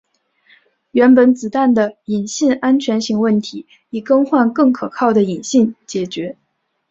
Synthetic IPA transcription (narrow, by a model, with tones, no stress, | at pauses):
ɥɛ˧˥npə˨˩nt͡sɹ̩˨˩t̪a˥˩nd̪ə˩i˨˩nɕi˥˩na˥nt͡ɕʰɥɛ˧˥nɕi˥˧ŋwə˥˩nt̪ʰi˧˥ | i˨˩kɤ˥ŋxwa˥˧nkɤ˥˩ŋkʰɤ˨˩kʰɑ˥˩ʊd̪ə˩i˨˩nɕi˥˩nt͡ɕjɛ˨˩t͡ɕɥɛ˧˥